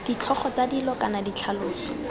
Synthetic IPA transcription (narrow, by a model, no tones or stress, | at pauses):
d̥it͡ɬʰɔχɔt͡sadilɔkanadit͡ɬʰaloːsɔ̥